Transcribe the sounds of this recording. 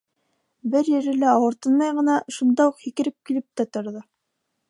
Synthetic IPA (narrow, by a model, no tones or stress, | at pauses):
bɘɾjɘ̆ɾɘ̆læɑwɤ̆ɾt̪ɤnmɑjʁɤ̆nɑʃund̪ɑuqhikɘ̆ɾɘp̚kilɘp̚t̪æt̪ŏɾðɤ